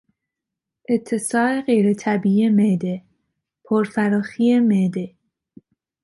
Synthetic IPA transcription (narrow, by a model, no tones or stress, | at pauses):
ʔet̪ʰːe̞sɒːe̞ɢejɾet̪ʰæbiːiemed̪e | pʰoɾfæɾɒːxiːemeːd̪e